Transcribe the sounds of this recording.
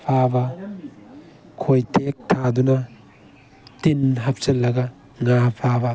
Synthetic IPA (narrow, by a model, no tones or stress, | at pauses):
pʰabɐ | kʰojtʰek̚tʰadunɐ | tinɦɐp̚sɐlːɐɡɐ | ŋapʰabɐ